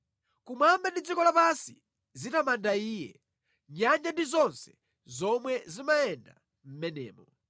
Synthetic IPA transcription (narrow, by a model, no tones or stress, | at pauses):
kumambɛndid͡zikɔlapansi | zitamandaiːjɛ̰ | ɲand͡ʒandizɔnsɛ̥ | zɔmwɛzimajɛnda̰ | m̩mɛnɛ̰ːmɔ